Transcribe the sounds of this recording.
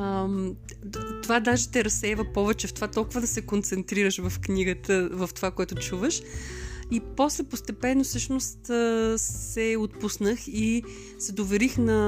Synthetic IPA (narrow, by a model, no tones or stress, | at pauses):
m | t̪ovad̪aʒɛt̪ɛɾɐsːɛjvəpɔvɛt͡ʃɛft̪ovat̪ɔlˠkʊvəd̪ɐsɛkont̪sɛnt̪ɾiɾəʃvɐfkniɡət̪əvɐft̪ovakoɛt̪ʊt͡ʃuvəʃ | iposlɛpost̪ɛpɛnːofsɤʃnost̪ | sɛot̪̚pusnəxi | sɛd̪ovɛɾixnɐ